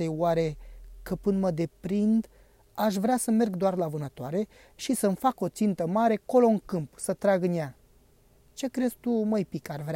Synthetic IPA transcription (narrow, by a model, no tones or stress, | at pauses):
ejwaɾe̞kəpɨnd̪məd̪e̞pɾind̪ | aʃ̬vɾeasəme̞rɡd̪oarlavɨnət̪oaɾe̞ | ʃisəmfako̞t̪sint̪əmaɾe̞ko̞lo̞ɨŋkɨmpsət̪ɾaɡnja | t͡ʃe̞kɾe̞zt̪uməjpikarvɾea